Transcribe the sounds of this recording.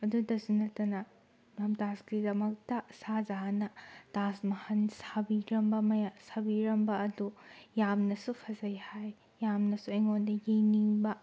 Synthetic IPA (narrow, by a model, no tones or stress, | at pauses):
ɐdudɐsunɐtɐnɐ | mɐmtasɡidɐmɐk̚tɐsazanɐtasmɐhɐnsabiɾɐmbɐmɐjasabiɾɐmbɐɐdujamnɐsupʰɐzɐjhajː | amnɐsuɐjŋondɐɡijniŋbɐ